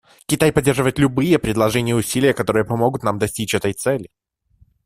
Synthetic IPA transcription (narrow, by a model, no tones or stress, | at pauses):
kʲɪt̪ajpɐdʲːerʐɨvəjɪt̪lʲʊbɨjəpɾʲɪd̪lˠɐʐɛnʲɪjəʊsʲilʲɪjəkɐt̪o̞ɾɨjəpɐmo̞ɡʊt̪namd̪ɐsʲtʲit͡ɕɛt̪əjt̪sɛlʲɪ